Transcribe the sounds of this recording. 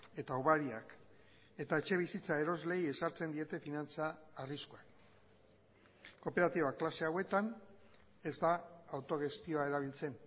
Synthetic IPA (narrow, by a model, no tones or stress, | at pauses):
e̞t̪auβaɾiak | e̞t̪ae̞t͡ʃe̞β̞isit͡saeɾo̞zle̞je̞saɾt͡se̞nd̪ie̞t̪e̞finant͡saːriskoak | ko̞pe̞ɾat̪iβaklase̞awe̞t̪an | e̞zd̪aːwt̪o̞ɣe̞st̪io̞ae̞ɾaβ̞ilt͡se̞n